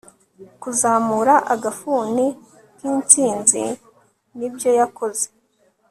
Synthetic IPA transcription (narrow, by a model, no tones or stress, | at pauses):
kuzaːmuɾaʔaɡafuːni | kiːnt͡siːnzḭ | nibjo̞jako̞ze̥